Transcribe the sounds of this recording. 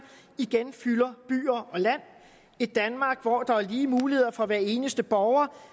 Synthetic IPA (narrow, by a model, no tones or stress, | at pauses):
iɡ̥enfylɐb̥y̰ːɐʔɒ̽læn̰ | ed̥ænmɑ̈ːɡ̥ʋɒd̥ɑ̈æɐliːmuːlihe̝ð̰ˠɐfɒ̽ʋæɐe̝ːnəsd̥əb̥ɒʊɐ